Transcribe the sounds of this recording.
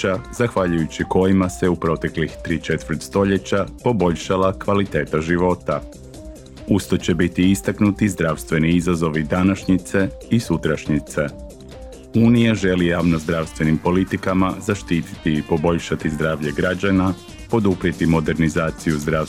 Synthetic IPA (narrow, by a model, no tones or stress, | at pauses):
azaxʋaʎujut͡ɕiko̞jimase̞upɾo̞t̪e̞klixt̪ɾit͡ʃe̞t̪ʋəɾ̩t̪st̪o̞ʎe̞t͡ɕapo̞bo̞ʎʃalakʋalit̪e̞ːt̪aʒiʋo̞t̪a | ust̪ot͡ɕe̞bit̪iist̪aknut̪izd̪ɾaːʋst̪ʋe̞niizazo̞ʋid̪anaʃɲit̪se̞isut̪ɾaʃɲit̪se̞ | uːnijaʒe̞lijaːʋno̞zd̪ɾaʋst̪ʋe̞nimpo̞lit̪ikamazaʃt̪iːt̪i̥t̪iːpo̞bo̞ʎʃat̪izd̪ɾaːʋʎe̞ɡɾad͡ʑana | po̞d̪upɾiet̪imo̞d̪e̞ɾnizaːt̪sijuzd̪ɾa